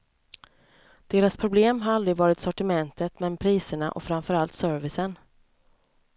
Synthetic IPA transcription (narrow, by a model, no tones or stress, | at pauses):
d̪̥eːɾaspʰɾʊbleːmɦaɾald̪ɾɪɡvɑːɾɪt̪sɔʈɪmɛnt̪ət̪mɛnpʰɾiːsəɳa̰ʔɔ̰fɾamfœɾalt̪sœːɾvɪsən